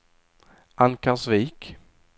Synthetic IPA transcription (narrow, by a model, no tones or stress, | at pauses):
ʔankasviːk